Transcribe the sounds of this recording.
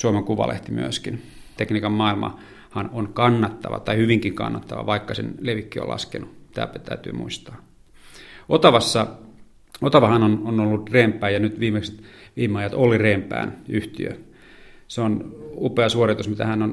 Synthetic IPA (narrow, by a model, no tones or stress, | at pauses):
suomeŋkuʋɑ̰lḛht̪imy̰æskin | t̪ekniːkɑmmɑilmɑ̰ | hɑnonkɑnːɑt̪ːɑʋɑ̰t̪ɑihyʋiŋkiŋkɑ̰nːɑt̪ːɑʋɑ̰ʋɑikːɑsḛnleʋikːio̰lʔɑ̰skḛnut̪æ̰ːpæt̪æyt̪y̰ːmṵist̪ɑ̥ː | ot̪ɑʋɑsːɑ | ot̪ɑʋɑhɑnononolːut̪reːmpːˑæːjɑnyt̪ʋiːmekse̥t̪ʋiːmːeɑjɑt̪olireːmpˑæ̰ːnyht̪iø̰ | seonupeɑsuorit̪usmit̪æhænon